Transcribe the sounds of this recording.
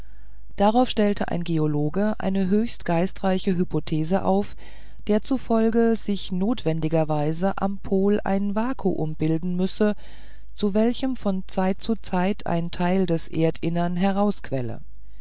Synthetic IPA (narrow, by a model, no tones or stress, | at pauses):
d̥aʁaʊfʃtɛltʰəʔa̰ɪnɡeoloːɡəʔa̰ɪnəɦøːçstɡ̥aɪstʁ̥aɪçəɦypʰotʰeːzəʔa̰ʊf | d̥eːɐt͡sufɔlɡəzɪçnoːtv̥ɛndɪɡɐvaɪzəʔa̰mpʰoːla̰ɪnvaːkʰṵʔʊmbɪldn̩mʏsə | t͡suvɛlçəmfɔnt͡saɪt̚t͡sut͡saɪtʰa̰ɪntʰaɪldɛsʔḛːɐtʰʔɪnɐnɦɛɐʁ̞aʊskv̥ɛlə̰